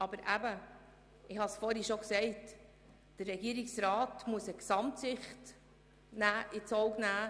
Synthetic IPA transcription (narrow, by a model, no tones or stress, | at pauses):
ɑbəɾʔæbə | ɪhɑsfɔːɾhiʃoksɛɪt | d̥ərːɛɡiəɾiksɾɑːtmuəsəksɑmtsɪχt | næːʔɪt͡sɔʊknæː